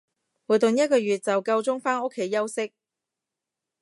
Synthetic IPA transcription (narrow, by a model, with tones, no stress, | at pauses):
wuː˨˩jt̪ʊ˨ŋjɐ˥t̚kɔː˧ɥyː˨t̚t͡sɐ˨wkɐ˧wt͡sʊ˥ŋfaː˥no˥kʰːe˧˥jːɐ˥wsɪ˥k̚